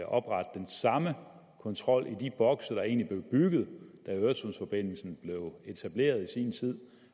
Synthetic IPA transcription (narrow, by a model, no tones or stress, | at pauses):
ʔɒ̽b̥ʁɑ̈d̥d̥ensɑ̈mə | kʰɒ̽nt͡sʰʁɒ̽l̰ʔid̥ib̥ɒ̽ɡ̥sɐɾ̥ɑ̈e̝̰ːnlib̥le̝ʊb̥yɡ̥ð̞̩ˠd̥æøɐsosfɒ̽b̥e̝n̰l̩sn̩b̥le̝ʊe̝t͡sʰæb̥le̝̰ːɐð̞ˠisiːnt͡sʰið̰ˠ